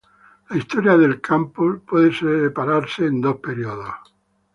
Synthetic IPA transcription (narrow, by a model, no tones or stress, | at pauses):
laist̪oɾjaðe̞lkʰampospweðeseepaɾaɾseːnd̪o̞hpeɾioðoh